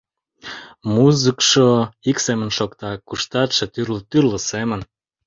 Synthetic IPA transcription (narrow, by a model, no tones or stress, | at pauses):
muzəkʃoiksemənʃokt̪ɑkuʃt̪ɑt̪ʃĕt̪yrlt̪yrləsemən